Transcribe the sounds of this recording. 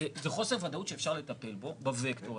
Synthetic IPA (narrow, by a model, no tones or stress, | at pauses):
ezeχo̞seʁvad̪autʃeefʃaʁle̞t̪ape̞lbo̞bavekt̪oʁ